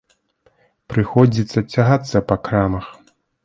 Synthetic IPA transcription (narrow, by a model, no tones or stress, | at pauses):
pɾɨxɔd͡zʲit̪sːɐt͡sʲaɣat̪sːɐpɐkɾamɐx